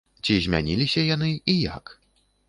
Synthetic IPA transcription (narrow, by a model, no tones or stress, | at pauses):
t͡sʲizʲmʲa̰nʲilʲisʲɐjanɨija̰k